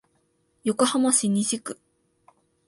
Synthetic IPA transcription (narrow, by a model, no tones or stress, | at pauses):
jokohamaɕiɲʲiʑikɯ̟̥